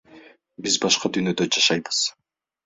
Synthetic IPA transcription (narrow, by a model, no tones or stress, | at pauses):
bizbɑʃqɑd̪yːnød̪ød͡ʒɑʃɑjbɯz̥